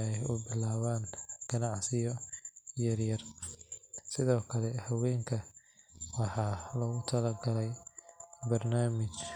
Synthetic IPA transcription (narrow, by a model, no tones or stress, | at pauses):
ɛjʊbɪlaːβaːnɡ̥ɐnɑʕsɪjɔjɐrjɐr | sɪðɔːkʰɐlɛhɐwɛːŋkʰɐ | wɑħɑːlɔɣʊt̪ʰɐlɐɡɐlɛj | bɐrnaːmɪt͡ʃ